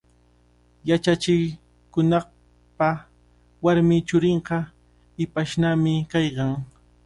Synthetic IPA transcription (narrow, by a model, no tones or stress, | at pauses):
jat͡ʃat͡ʃɪ | kʊnɑχ | pa | waɾmɪt͡ʃʊɾɪɴɢɑ | ɪpaʃnamɪkɑjkɑŋ